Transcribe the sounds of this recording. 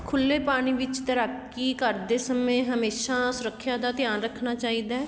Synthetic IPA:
kʰʊlːeːpaːɽ̃iːʋɪt͡ʃt̪əɾak | iːkəɾd̪eːsəmẽːɦəmeːʃaːsʊɾəkʰːjaːd̪aːt̪ɪjaːnɾəkʰnaːt͡ʃaːiːd̪aːɛː

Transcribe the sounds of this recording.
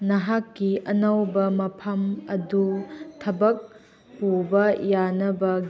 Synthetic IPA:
nɐɦakːiʔɐnɐwbɐmɐpʰɐmɐdutʰɐbɐk̚ | hubɐjanɐbɐ

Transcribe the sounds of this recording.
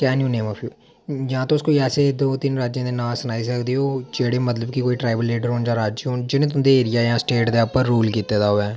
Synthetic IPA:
kɛːnũːneːmɔːfʰjuː | jãːt̪õːʊskoːiɛːseːd̪oːt̪ɪnɾaːd͡ʒjãːd̪eːnãːsənaːis̬əkd̪eːɦoːd͡ʒeːɽeːmət̪ləbkikoːiːʈɾaːɪbəlːeːɖəɾɦoːnd͡ʒãːɾaːd͡ʒoːnd͡ʒɪnẽːt̪ʊnd̪eːeːɾɪjaːjãːsʈeːʈd̪eːpəɾːuːlkiːt̪eːd̪aːɦoːɛː

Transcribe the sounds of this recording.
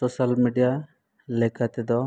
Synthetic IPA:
sosalmiɖija | lɛkat̪ɛd̪ɔ

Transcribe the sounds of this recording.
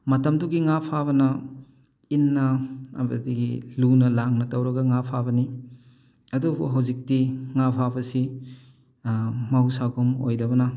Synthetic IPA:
mɐtɐmduɡiŋapʰabɐnɐ | inːɐɐ̰bɐ̰diɡilunɐlaŋnɐtɐwɾɐɡɐŋapʰabɐni | ɐdubuɦɐwzik̚tiŋapʰabɐsi | mɐwsaɡʰomo̰jdɐbɐnɐ

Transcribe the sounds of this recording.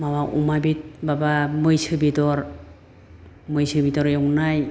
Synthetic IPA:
mawaʔṵmabit̚babamɯjsɯbidɔɾ | mɯjsɯbidɔɾjɔŋnaj

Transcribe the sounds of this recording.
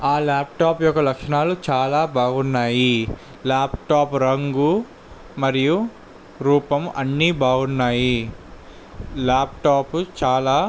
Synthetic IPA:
aːlaːp̚ʈaːpjɔkːɐlɐkʂɐɳaːlut͡ʃaːlaːbaːɡunːaːji | laːpʈaːpɾɐŋɡu | mɐɾiju | ɾuːpɐmɐnːibaːɡunːaːji | laːp̚ʈaːput͡ʃaːlaː

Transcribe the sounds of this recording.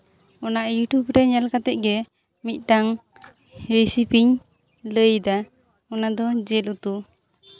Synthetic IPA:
ɔnaʔjuʈjubɾɛɲalkat̪ɛc̪̚ˀɡɛ | mit̪̚ˀʈaŋ | ɾisipiŋ | ləjd̪a | ɔnad̪ɔd͡ʒɛlut̪u

